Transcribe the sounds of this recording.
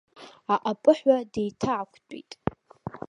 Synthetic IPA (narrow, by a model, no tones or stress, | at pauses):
aʔapʼɨħʷadejtʰaʕakʷʰtʷʼḭtʼ